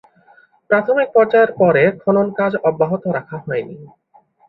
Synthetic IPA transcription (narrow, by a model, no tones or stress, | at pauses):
pɾat̪ʰomik̚pɔɾd͡ʑaeɾpɔɾekʰononkad͡ʑɔbːaɦot̪oɾakʰaɦɔeni